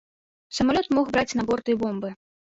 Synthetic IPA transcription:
sɐmalʲɔt̪mɔxbɾat͡sʲnabɔrt̪ɨjbɔmbɨ

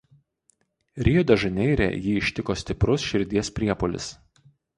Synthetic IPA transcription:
ɾʲijud̪ʲɐʒɐnʲɛɪɾʲɛ̰ˑjiːɪʃʲt̪ʲɪkoːsʲt̪ʲɪpɾʊsʃʲɪɾʲd̪ʲiɛspʲɾʲiɛpolʲɪ̰s

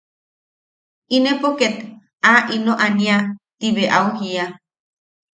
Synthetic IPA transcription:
inepoket̪ | aʔinoʔaniat̪iβeʔauhia

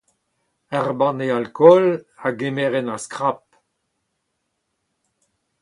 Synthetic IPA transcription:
aʁbɑ̃nealkʰɔlaɡemeʁɛnaskʁap̚

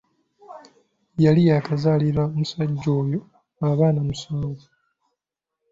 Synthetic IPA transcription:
jalijakazaːliɾaomusaɟːo̞ːjo | aβaːnamusoːzi

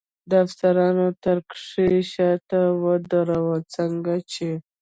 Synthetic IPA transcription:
d̪əaft̪aɾɑnot̪əɾkʂeʃɑt̪awəd̪aɾawət͡səŋɡat͡ʃe

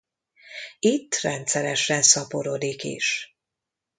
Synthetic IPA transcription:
it̪ːrɛnt̪sɛɾɛʃɛnsɒpoɾo̞d̪ikḭʃ

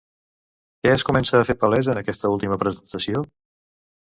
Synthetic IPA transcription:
kɛəskumɛnsəːfepəlɛzənəkɛst̪əulˠt̪iməpɾəzənt̪əsio

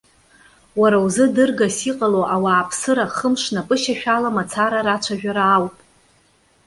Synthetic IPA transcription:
waɾawzɨdɨrɡasiqʼaloʔawaːpʰsɨɾaχəmʂnapʼɨʃaʃᶣalamat͡sʰaɾaɾat͡ʃʷʰaʒᶣaɾaːwpʼ

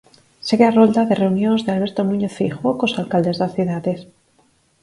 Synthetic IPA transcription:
seɣearond̪aðere̞unjonzðealβ̞e̞ɾt̪onũɲeθfixokosalkald̪e̞zðasθuðaðes

